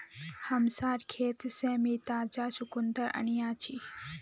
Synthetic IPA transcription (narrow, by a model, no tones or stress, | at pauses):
hɐmsaːɾkʰeːt̪seːmiːt̪aːd͡ʒaːsukʊnd̪əɾɐ̰ɳijaːt͡ʃʰi